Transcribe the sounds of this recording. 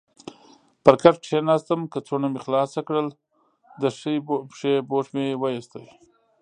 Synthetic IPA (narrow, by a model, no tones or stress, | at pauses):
pəɾkaʈʈʂʰenɑːst̪əmkət͡sonamexlɑːsakɽəl | d̪əʂjpʂeboʂmewajist̪aj